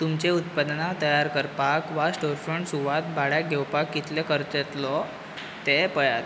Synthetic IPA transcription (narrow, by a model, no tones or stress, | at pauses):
t̪umt͡ɕeut̪̚pad̪nat̪əjaɾkəɾpakʋasʈoɾfəɳʈsuʋat̪̚bʱaɽjaɡʱɛwpakːit̪lɛkəɾt̪ət̪lɔ | t̪epəjat̪